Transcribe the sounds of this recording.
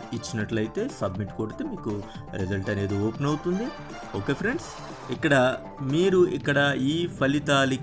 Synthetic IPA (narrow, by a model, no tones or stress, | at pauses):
it͡ʃːinɐʈlɐjit̪e̞ːsɐbmiʈkoːɽit̪eːmiːku | ɾid͡ʒɐlʈɐne̞ːd̪ioːpenɐwut̪und̪i | oːke̞ːpʰɾe̞ɳɖs | ikːɐɽɐ | miːɾuikːɐɽɐiːpʰɐlit̪aːli